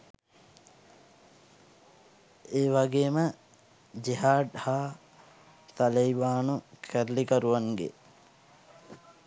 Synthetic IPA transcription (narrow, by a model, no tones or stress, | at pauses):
eːʋaɡeːmə | d͡ʒiɦaːɖhaː | t̪alejʋaːnukʰæɾlikəɾuʋaŋɡḛ